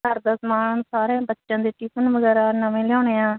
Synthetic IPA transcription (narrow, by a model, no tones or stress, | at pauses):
əɾd̪aːsmaːnsaːɾẽːbətːʃjãːd̪eːʈiːpənʋəɡɛːɾaːnəmẽːljãːneːãː